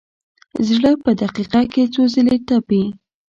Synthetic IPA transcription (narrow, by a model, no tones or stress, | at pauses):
zɽəpəd̪aqiqaket͡sozəlet̪api